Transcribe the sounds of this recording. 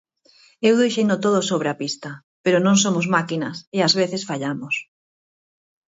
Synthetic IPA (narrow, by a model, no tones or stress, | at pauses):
ewðejʃend̪ot̪oð̞osoβ̞ɾeapist̪ɐ | peɾonõŋs̬omozmakinɐseazβ̞eθesfaʎamos